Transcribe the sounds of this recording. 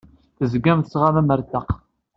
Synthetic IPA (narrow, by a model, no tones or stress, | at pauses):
θəzɡæmt̪əsʁamæməɾt̪ɑq